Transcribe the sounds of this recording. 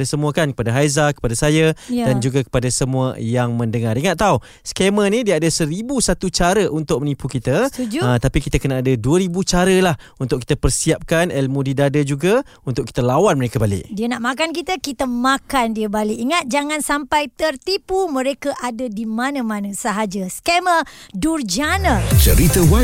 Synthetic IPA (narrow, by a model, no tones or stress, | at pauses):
asəmuakankəpadaɦajzakə̥padasajadand͡ʒuɡakə̥padasəmuə̰jaŋmə̃ndəŋaɾiŋat̪̚ːau | skemənĩdiəadəsəɾibusat̪ut͡ʃaɾəʔunt̪ʊk̚mənipukit̪əd͡ʒt̪apikit̪əkənaadəduəɾibut͡ʃaɾəlah | unt̪ʊkit̪əpərsiap̚kanɛlmũdidadəd͡ʒuɡa | unt̪ʊkːi̥t̪əlawanməɾekəbalɪ̰ʔ̚diənaʔmakankit̪əkit̪əmakandiəbalɪkiŋat̪̚d͡ʒaŋansampajt̪ərt̪ipumə̃ɾekaʔadədimanə̃manəsəɦad͡ʒəskemədurd͡ʒanət͡ʃəɾit̪əwa